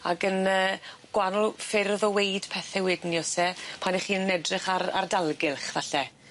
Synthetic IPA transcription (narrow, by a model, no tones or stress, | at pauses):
a̰ɡənəːɡ̥wanʊlˠfɪɾðɔwejd̥pʰɛθɛwɪdnjɔsɛpʰaniχiːnənɛdrɪχaɾa̰rdalˠɡɪlˠχvaɬɛ